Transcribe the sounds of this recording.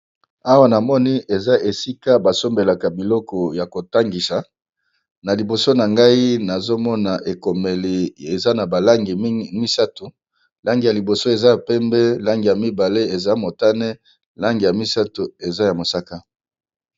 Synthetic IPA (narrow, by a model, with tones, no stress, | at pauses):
a˦wa˦na˨mɔ˦ni˦e˨za˦ʔe˨si˦ka˦ba˨so˦mbe˨la˨ka˨bi˨lɔ˦kɔ˨ja˨ko˨ta˦ŋɡi˨sa˨ | na˨li˨bo˨so˦na˨ŋɡa˦i˦na˨zo˦mɔ˦na˨ʔe˨ko˨me˨li˨e˨za˦na˨ba˨la˦ŋɡi˨˦mi˦sa˦to˨ | la˦ŋɡi˨ja˨li˨bo˨so˦e˨za˦ja˨pɛ˦mbɛ˦la˦ŋɡi˨ja˨mi˦ba˨le˦e˨za˦mo˨ta˦nɛ˦ | la˦ŋɡi˨ja˨mi˦sa˦to˨e˨za˦ja˨mo˨sa˦ka˦